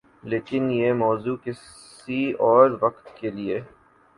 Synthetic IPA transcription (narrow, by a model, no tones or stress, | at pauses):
leːkɪnjemɔːzukɪs | iɔːɾʋɐqt̪kelie